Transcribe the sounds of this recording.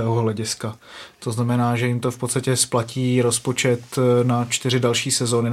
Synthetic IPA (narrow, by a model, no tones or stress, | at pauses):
ɛːɦoɦlɛɟɪskat̪o̞znamɛnaːʒɛjɪmt̪o̞fpot̪st̪acɛsplaciːɾo̞spo̞t͡ʃɛt̪nat͡ʃt̪ɪr̝ɪdalʃiːsɛzo̞ːnɪ